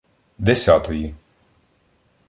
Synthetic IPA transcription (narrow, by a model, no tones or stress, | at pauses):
d̪ʲɛsʲaːt̪ɔji